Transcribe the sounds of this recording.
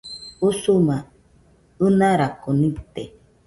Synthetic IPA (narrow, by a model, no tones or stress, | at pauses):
usuma | ɨnãɾakonĩt̪e